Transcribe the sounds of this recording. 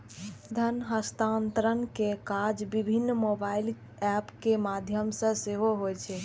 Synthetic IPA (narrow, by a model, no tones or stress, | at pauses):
d̪ʱənɦəst̪ant̪ɾənkekaɾd͡ʒbibʱinːmobail | ɛpkemad̪ʱjəmsə̃seɦoɦojt͡ʃʰɛ